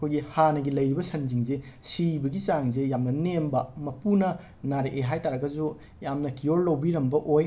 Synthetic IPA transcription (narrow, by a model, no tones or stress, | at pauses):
ɐkʰojɡihanɐɡilɐjɾibɐsɐnd͡ʒiŋzesibɐɡit͡ʃaŋzejamnɐnembɐmɐpunɐ | naɾeʔeɦajtaɾɐɡɐzu | jamnɐkijoɾlɐwbiɾɐmbɐʔoj